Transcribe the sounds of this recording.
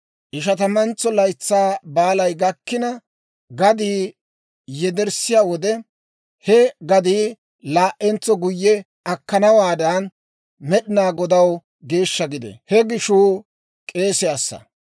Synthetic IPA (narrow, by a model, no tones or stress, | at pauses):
ʔɪʃɐt̪ɐmɐnt͡sːɔlɐjt͡sːaːbaːlɐjɡɐkːɪnɐ | ɡɐd̪iː | jɛd̪ɛɾsɪjaːwɔd̪ɛ | hɛɡɐd̪iː | laːʔːɛnt͡sːɔɡʊjːɛ | ɐkːɐnɐwaːd̪ɐn | mɛɗɪnaːɡɔd̪ɐw | ɡe̞ːʃːɐɡɪd̪ɛ̰hɛɡɪʃuː | kʼe̞ːsɛɐsːɐ̰